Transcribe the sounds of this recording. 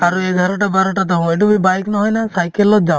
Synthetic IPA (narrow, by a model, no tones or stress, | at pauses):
aɾueɡʱaɾɔʈabaɾɔʈat̪̬ɔɦɔ̃eʈubibajknɔɦɔjnasajkelːɔt̪̚d͡ʒaw